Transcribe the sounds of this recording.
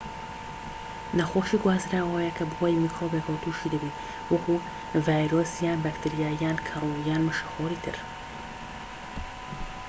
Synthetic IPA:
nɐxoːʃiːɡwaːzɾaɐwɛjɛkʰɐbɨhaːjmikʰɾobekʰɐwt̪ʰuʃiːd̪ɐbiː | wɐku | vaːjɾosjaːnbakt̪ʰiɾijaːjaːnkʰɐrˤojaːnmɨʃɐxoːɾiːt̪ʰɨ̰ɾ

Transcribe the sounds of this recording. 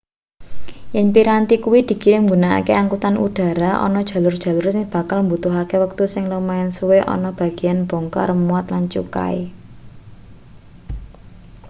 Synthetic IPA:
jɛnpiɾant̪ikuwid̪̥i̤kiɾɪŋɡunaa̰keaŋkut̪anṵd̥a̤ɾaʔɔ̰nɔd̥ʒ̥ä̤lʊrd̥ʒ̥ä̤lʊrsɪŋb̥a̤kalmbut̪ʊɦakewək̚t̪usɪŋləmaɪnsuweʔɔ̰nɔb̥a̤ɡ̥i̤janb̥ɔŋkɔ̰ɾəmuat̪lant͡ʃṵka̰e

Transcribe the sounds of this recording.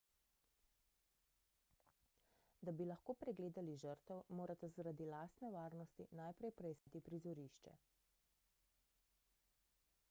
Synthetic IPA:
d̪abilaxkoːpɾɛɡleːd̪aliʒəɾt̪ɛwmoːɾat̪azaɾad̪ilaːst̪nɛʋaːɾnɔst̪inajpɾɛjpɾɛjskat̪ipɾizɔɾiʃt͡ʃɛ̰

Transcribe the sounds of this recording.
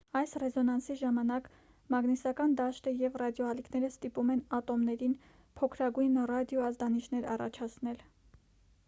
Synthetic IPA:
ɑjsrɛzɔnɑnsiʒɑmɑnɑk | mɑɡnisɑkɑnd̪ɑʃt̪əjɛvrɑd̪jɔɑlikʰnɛɾəst̪ipumɛnɑt̪ɔmnɛɾin | pʰɔkʰɾɑɡujnrɑd̪jɔɑzd̪ɑnit͡ʃʰnɛɾɑ̰rɑ̰t͡ʃʰɑt͡sʰnɛl

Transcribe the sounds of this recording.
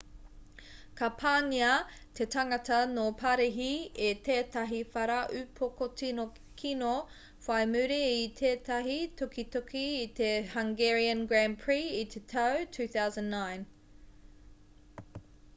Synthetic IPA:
kɐpʰaːniɐt̪ʰetɐŋɐtɐnopʰɐɾiɦiet̪eːtɐɦifɐɾaʔʉpʰokot͡sino | kʰino | fajmʉɾiːt̪ʰeːt̪ɐɦitʰokit̪okʰiːt̪e̞haŋɡɛɹiənɡɹænpʰɹiit̪ʰetʰawtʰʉːθawzə̃nːãɪn

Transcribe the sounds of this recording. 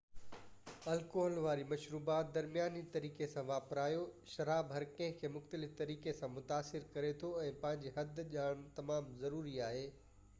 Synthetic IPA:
ɐlkoːɦəlʋaːɾimɐʃɾuːbaːt̪̚d̪ɐɾmijaːnit̪ɐɾiːkesãʋaːpɾaːjoʃɐɾaːbɦɐɾkɐ̃ɦɪ̃kʰeːmʊxt̪əlɪft̪ɐɾiːkesãmʊt̪aːsɪɾkɐɾet̪ʰoɛ̃ːpɐ̃ɦɪ̃ɲd͡ʑeɦɐd̪ʱʄaːɽ̃t̪ɐmaːmzɐɾuːɾiaːɦeː

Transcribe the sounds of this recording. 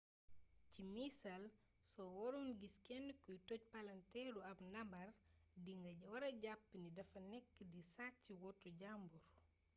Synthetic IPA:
cimisɐl | sɔwɔɾunɡiskɛnːkujtɔc̚pɐlɐntɛɾuɐbnɐmbɐrdiŋɡɐɟɐwɐɾɐɟapːnidɐfɐnɛkːədisacːiwɔtːuɟambuɾ

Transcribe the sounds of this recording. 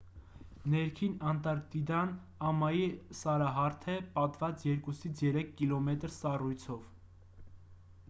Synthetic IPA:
nɛɾkʰinɑnt̪ɑɾt̪id̪ɑn | ɑmɑjisɑɾɑɦɑɾt̪ʰɛpɑt̪vɑt͡sjɛɾkusit͡sʰjɛɾɛkʰːilɔmɛt̪ɾsɑrujt͡sʰɔv

